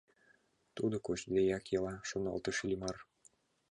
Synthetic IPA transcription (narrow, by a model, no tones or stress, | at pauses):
t̪ud̪okot͡ɕd̪ejɑkjɤlɑʃonɑ̰lt̪ɤ̆ʃilʲimɑr